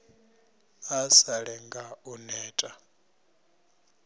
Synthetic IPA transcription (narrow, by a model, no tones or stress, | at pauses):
asaɺɛŋɡaunɛːtʼa